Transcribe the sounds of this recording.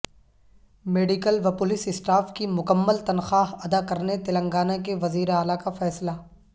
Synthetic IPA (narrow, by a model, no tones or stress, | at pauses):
meːɖikəlʋɐpʊlɪsɪsʈaːfkimʊkəmːəlt̪ɐnxaːɦɐd̪akɐɾnet̪ɪlə̃ŋɡaːnak̬eʋɐziːɾeaːlakafɛːsla